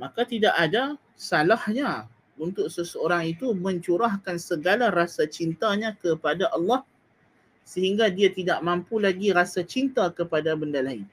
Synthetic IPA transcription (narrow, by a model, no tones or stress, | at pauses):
mãkat̪idaʔada | salahɲa | unt̪ʊk̚səsəoɾaŋit̪umə̃ɲt͡ʃuɾahkansəɡalaɾasat͡ʃint̪aɲãkəpadaʔɑlːɑh | səɦiŋɡadiat̪idaʔmampulaɡiɾasat͡ʃint̪akəpadabəndalaɪn